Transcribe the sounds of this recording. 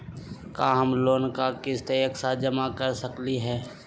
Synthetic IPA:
kaːɦɐmloːnkakɪst̪eəksad͡ʒəmakɐɾsəkliɦɛː

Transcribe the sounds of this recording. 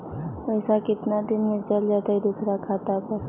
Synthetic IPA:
pəɪsakɪt̪nad̪ɪnmẽd͡ʒəld͡ʒat̪aid̪uːsɾakʰaːt̪apəɾ

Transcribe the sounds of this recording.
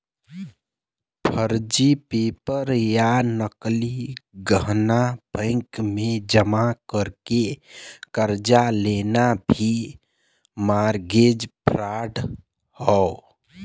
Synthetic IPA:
pʰəɾd͡ʒipepəɾjanəkliɡəɦnabə̃ŋkmed͡ʒəmakəɾkekəɾd͡ʒalenabʱi | maɾɡed͡ʒpɾaɖ | hɔ

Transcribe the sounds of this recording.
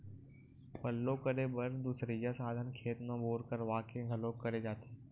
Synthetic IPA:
pəlːokəɾebəɾd̪uːsɾid͡ʒaːsaːd̪ʱənkʰeːt̪mãːɓoːɾkəɾʋaːkeɡʱəlokəɾed͡ʒaːt̪i̥ː

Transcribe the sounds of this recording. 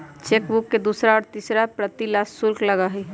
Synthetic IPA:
t͡ʃekbukːed̪uːsɾaɔːɾt̪iːsɾapɾət̪ilasːʊlkləɡaɦi

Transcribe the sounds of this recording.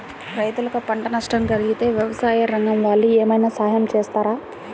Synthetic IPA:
ɾɐjt̪ulɐkɐpɐɳʈɐnɐʂʈɐmd͡ʒɐliɡit̪e̞ːʋjɐʋɐsaːjɐɾɐŋɡɐmʋaːɭːieːmɐjnaːsaːjɐmt͡ʃeːst̪aːɾaː

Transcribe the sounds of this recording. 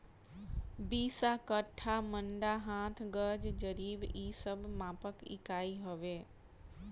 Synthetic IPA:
biːsakəʈʰːamə̃ɳɖaɦãːt̪ʰɡəɾd͡ʒd͡ʒəɾiːbiːsəbmaːpəkɪ̰kaːiɦoʋeː

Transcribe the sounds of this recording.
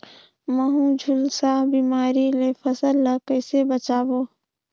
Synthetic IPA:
məɦũd͡ʒʱʊlsabiːmaːɾilepʰəsəlːəkəːsebət͡ʃaːboː

